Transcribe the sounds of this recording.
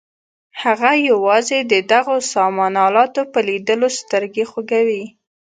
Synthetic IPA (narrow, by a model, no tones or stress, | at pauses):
haɣajawɑzed̪əd̪aɣosɑmɑnɑlɑt̪opəlid̪əlost̪əɾɡexoɡawi